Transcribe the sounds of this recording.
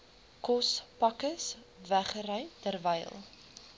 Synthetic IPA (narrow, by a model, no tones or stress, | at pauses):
kɔspɐkəs | væχəɾəjtərvəjlˠ